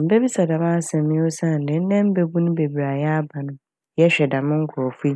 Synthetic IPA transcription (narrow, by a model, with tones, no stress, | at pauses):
m̩˨be˦bi˦sa˨da˨ba˦sɛ̃˨mːɪ̃˦o˦sa˦˨n̩˨dɪ̃˨˦n̩˦nɛ̃˦m̩˦be˦bu˦nʊ̃˦be˨bi˨ɾa˨jɛ˦a˦ba˨nʊ̃˦ | jɛ˦ɕᶣɛ˨da˨mʊ̃˦ŋ̩˦kʰʊ˨ɔ˨fu˦i˦